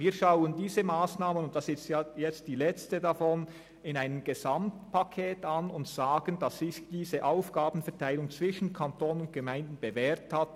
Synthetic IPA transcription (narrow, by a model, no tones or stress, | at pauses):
viːɐʃaʊəndiːzəmaːsnaːmənʊnt̚d̥asɪstjajɛt͡std̥iːlɛt͡stədafɔn | ɪnaɪnəmɡ̥əzamtpʰakʰɛːtanʊntz̥aːɡ̥əndɑsːɪçd̥iːzəʔaʊfɡ̥aːbn̩fɛɐtʰaɪlʊŋt͡sv̥ɪʃən̩kʰantʰoːnənʊntɡ̥əmaɪndn̩b̥əvɛːʁthat